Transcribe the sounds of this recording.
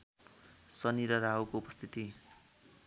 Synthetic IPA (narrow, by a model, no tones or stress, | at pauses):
sʌniɾʌɾaɦukoupʌst̪ʰit̪i